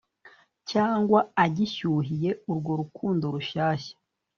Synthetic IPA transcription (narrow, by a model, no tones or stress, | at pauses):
caːŋɡwaaɟiçuːɦije̞uɾɡo̞ɾukʰuːndoɾuʃaːçḁ